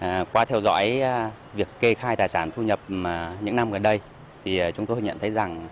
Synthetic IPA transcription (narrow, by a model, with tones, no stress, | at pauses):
ʔkwaː˨˦t̪ʰɛ˧wzɔ̰˧˥j | vi˨˩əkːe˧xaː˧jt̪aː˨˩jsaː˧˩nt̪ʰu˧ɲə˨˩p̚maː˨˩ɲɨ̰˧˥ŋna˧mɣə˨˩nɗə˧j | t̪ʰi˨˩˨t͡ɕʊ˨˦ŋ͡mt̪o˧jɲə̰˧˨nt̪ʰə˨˦jza˨˩ŋ